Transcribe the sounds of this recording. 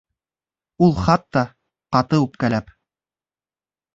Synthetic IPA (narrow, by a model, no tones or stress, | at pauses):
ulˠχɑt̪ːɑ | qɑt̪ɤʉp̚kælæp